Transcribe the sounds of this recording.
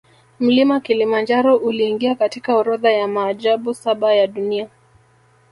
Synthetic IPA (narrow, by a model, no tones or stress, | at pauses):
m̩limakilimand͡ʒaɾɔʔuliːŋɡiakatikaɔɾɔðajamaːʄaɓusaɓajaɗunia